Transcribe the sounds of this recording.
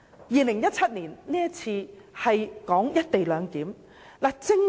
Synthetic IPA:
jiː˨lɪ˨˩ŋjɐ˥t̚t͡sʰɐ˥t̚niː˨˩nniː˥jɐ˥t͡sʰiː˧hɐ˨jkɔː˨˥ŋjɐ˥t̚t̪e˨jlœː˨˧ŋk̪iː˨˥m | laː˨˩t͡sɪ˥ŋ

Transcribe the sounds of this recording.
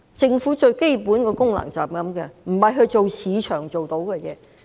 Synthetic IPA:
t͡sɪ˧ŋfuː˨˥t͡ʃɵ˧ɥke˥jpuː˨˥nkɔː˧kʊ˥ŋla̰˨˩ŋt͡saː˨˩p̚kɐ˨˥mkɛː˧m̩˨˩hɐ˨jɦɵ˧ɥt͡ʃo˨wsiː˨˧t͡ʃʰœː˨˩ŋt͡so˨wt̪o˨˥wkɛː˧jɛː˨˧

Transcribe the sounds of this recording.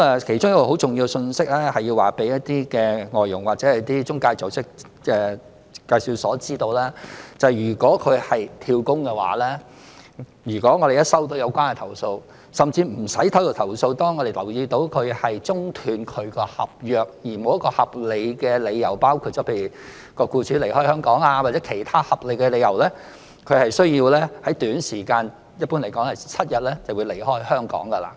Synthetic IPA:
mɛ˨kʰe˨˩jt͡ʃʊ˥ŋjɐ˥kɔ˧ho˨˥wt͡sʊ˨ŋji˧wsɵ˧nsɪ˥k̚lɛː˥hɐ˨˩ji˧waː˨˩pe˨˥jɐ˥t̚t̪iː˥kɛː˧ŋɔː˨jːʊ˨˩ŋwaː˨t̚t͡sɛː˨˥ɛ˨t̪iː˥t͡sʊ˥ŋkaː˧jt͡so˨˥wsɪ˥k̚ | ɛː˧ | kaː˧jsi˧wsɔː˨˥t͡siː˥t̪o˧wlɛː˥t͡sɐ˨jyː˨˩kɔː˨˥kʰɵ˨˧ɥhɐ˨jt̪ʰiː˧wkʊ˥ŋkɛː˧wa̰ː˨˦lɛː˥ | jyː˨˩kʷɔː˨˥ŋɔː˨˧e˨jɐ˥t̚sɐ˥wt̪o˨˥wjɐ˨˧wkʷaː˥nkɛ˧t̪ʰɐ˨˩wso˧w | sɐ˨mt͡siː˧m̩˨˩sɐ˨˥jt̪ʰɐ˨˥wkɔː˧t̪ʰɐ˨˩wso˧wt̪ɔː˥ŋːɔ˨˧d̪e˨jlɐ˨˩wjiː˧t̪o˨˥wkʰɵ˨˧ɥhɐ˨jt͡sʊ˥ŋt̪ʰyː˨˧nkʰɵ˨˧ɥkɔː˧hɐ˨p̚jœː˨k̚jiː˨˩mo˨˧wjɐ˥kɔː˧hɐ˨p̚le˨˧jkɛː˧le˨˧jːɐ˨˩wpaː˥wkʰu˧t̚t͡sɔː˨˥pʰe˧jɥyː˨˩ | kɔː˧kuː˧t͡ʃʰyː˨˧le˨˩jhɔː˥jhœː˥ŋkɔː˨˥ŋaː˧wa˨t͡sɛ˨˥kʰe˨˩jt̪ʰaː˥hɐ˨p̚le˨˧jkɛ˧le˨˧jɐ˨˩wlɛː˥ | kʰɵ˨˧ɥhɐ˨jsɵ˥ɥjiː˧wlɛː˥hɐ˨˥jt̪yː˨˥nsiː˨˩kaː˧n | jɐ˥t̚pːuː˥nle˨˩jkɔː˨˥ŋhɐ˨jt͡sʰɐ˥t̚jɐ˨t̚lɛː˥t͡sɐ˨wu˨˧˥le˨˩jhɔː˥jhœː˥ŋkɔ̰ː˨˥ŋkɐ˧la̰ː˧˩

